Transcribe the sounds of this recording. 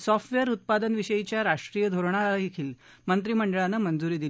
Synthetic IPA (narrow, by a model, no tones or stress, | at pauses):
sɔfʈʋeəɾut̪̚pad̪ənʋiɕəjit͡ɕjaɾaʂʈɾijəd̪ʱoɾɳ̃aaikʰiːl | mənt̪ɾiːməɳɖəɭanːəmənd͡zuɾiːd̪il